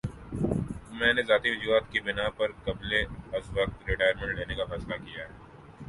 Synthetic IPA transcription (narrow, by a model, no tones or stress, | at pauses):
mɛ̃ːnezaːt̪iʋɐd͡ʒuːɦaːt̪kibɪnapɐɾkɐbleɐsʋɐq̚t̪ɾɪʈaːjəɾmẽɳʈleːnekafɛːslakijaɦɛː